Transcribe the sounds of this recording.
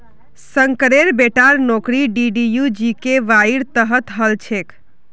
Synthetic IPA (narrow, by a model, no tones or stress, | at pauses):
səŋkəɾeɾbeʈaɾnokɾiɖiɖijud͡ʒikeʋaiɾt̪əɦət̪ɦəlt͡ʃʰek